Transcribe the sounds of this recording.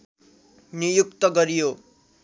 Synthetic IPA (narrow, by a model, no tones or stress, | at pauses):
nijukt̪ʌɡʌɾijo